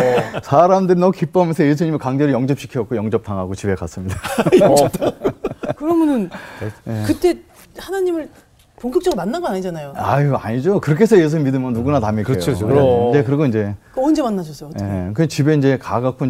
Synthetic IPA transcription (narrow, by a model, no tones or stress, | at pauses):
sʰaɾamdɯɾinʌkip͈ʌmjʌnsʰʌje̞sʰuɲimikaŋd͡ʑeɾɯɭjʌŋd͡ʑʌp̚ɕ͈ʰi̥kʰiʌk̚k͈ojʌŋd͡ʑʌp̚tʰaŋɦaɡot͡ɕibekas͈ɯmɲida | kɯɾʌmjʌnɯnjekɯt͈e̞ | hanaɲimɯɭ | poŋkʰjʌk̚t͡ɕ͈ʌɡmanːaŋɡʌnaɲid͡ʑanajoaaɲid͡ʑokɯɾʌkʰesʰʌjes̬ʰumidɯmʌnnuɡunatamikjkʰː | ekɯɾeɡoind͡ʑe̞kond͡ʑemanːad͡ʑʰʌs͈ʰʌekɯt͡ɕibe̞ind͡ʑe̞kaɡak͈ʰoi